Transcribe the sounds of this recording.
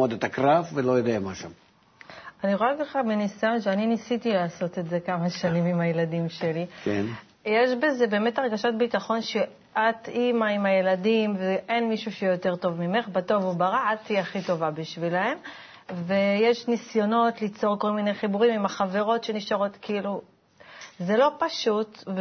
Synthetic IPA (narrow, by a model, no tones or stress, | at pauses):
od̪et̪ɐkɾafvelo̞jod̪ɛjɐmaʃa̰m | aniʁoekaχaminisajo̞nʃeaninisit̪ilaːso̞t̪e̞tze̞kamaʃanimimaje̞ladimʃelikḛn | je̞ʃbe̞ze̞be̞ːme̞taʁɡaʃat̚bitaχo̞nʃe | ʔat̪imaimaje̞ladimveʔe̞nmiʃuʃejɛjo̞te̞ʁto̞vmime̞χbato̞vubaʁaat̪iaχito̞vabiʃvilae̞m | vejeʃnisjo̞no̞tlit͡so̞ʁko̞lminejχibuʁimimaχave̞ʁo̞tʃeniʃaʁo̞t̪kiilu | ze̞lopaʃutv